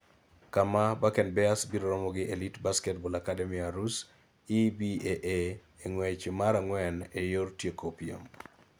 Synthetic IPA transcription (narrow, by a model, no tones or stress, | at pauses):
kamabakɛnbɛasbiɾoɾɔmɔɡɪʔelitbaskɛtbolakademiaɾus | ibieʔe | eŋwɛt͡ʃomaɾaŋwɛnejortjekopio̰m